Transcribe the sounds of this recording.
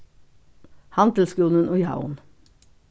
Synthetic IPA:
hɑnt̪l̩skɾuːnənʔoːjɑ̰ʊn

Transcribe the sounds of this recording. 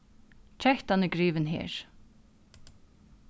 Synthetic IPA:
t͡ʃʰɛht̪hanɪɡɾiːʋɪnɦɛ̰ːɹ̥

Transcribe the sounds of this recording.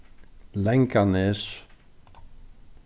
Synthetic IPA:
lɛjŋkanɪs

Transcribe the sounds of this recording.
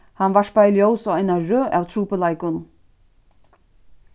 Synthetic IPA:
hanvaʂpajljoːwsavajnaɾœːʔawt̪ʰɾuːpəlajkʊn

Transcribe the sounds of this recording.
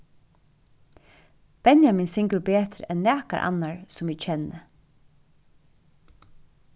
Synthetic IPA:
b̥ɛnjamɪnsɪŋkəɹbeːt̪ɾɛnːæːka̰ʔa̰nːaɹsʊmɛːɡt͡ʃʰɛnːə

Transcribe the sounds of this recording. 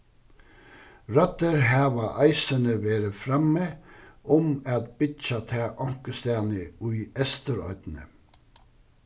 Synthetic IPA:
ɾœt̪əɾhæːʋɑʔɑɪsənəʋeːɾəfɾɑməʔʊmɑt̪bɪt͡ʃɑt̪ʰæːʔɑŋkəst̪æːnəʉʏɛst̪əɾœ̰ʏd̪̥nə̰

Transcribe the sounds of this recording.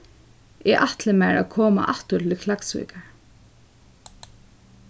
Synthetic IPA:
ɛʔaht̪lɪmæɹa̰kʰoːma̰ʔat̪ʊt̪ʰɪlkʰlaksvḭːkaɹ

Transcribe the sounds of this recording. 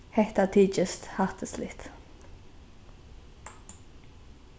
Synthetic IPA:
hɛht̪ɑt̪ʰiːt͡ʃəst̪hɑʁt̪ʰəslɪt̪

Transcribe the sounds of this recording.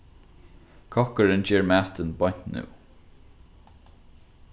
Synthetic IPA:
kʰɔkəɹənd͡ʒɛːɹmaːt̪ənbɔn̥tnṵː

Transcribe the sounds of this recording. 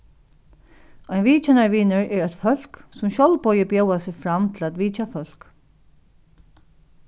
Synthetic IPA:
ajnʋiːt͡ʃɛnaɹʋiːnʏɹɛɾɛt̪fœl̥ksʊmɕɔwlpɔjɪpjowasɪɣfɾamt̪ʰɪlæt̪ʋiːt͡ʃafœl̥k

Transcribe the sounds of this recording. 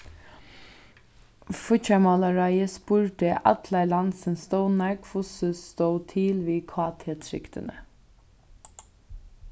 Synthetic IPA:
fʊçɑmɑlɑɹɑɪəspuːɹʈeʔɑt̪ʰlælɑnsənst̪oʊnæɡfʊsəst̪oʊt̪ʰiːlʋiːkʰɑːt̪ʰeːt̪ʰɾɪ̰kt̪ə̰nə̰

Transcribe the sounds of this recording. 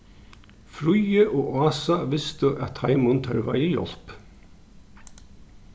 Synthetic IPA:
fɾʊjəʔoːʔɑːsɑʋɪst̪əʔɑt̪hɑɪmʊnt̪ʰœ̰ɾʋɑ̰ɪiːjɔ̰lp

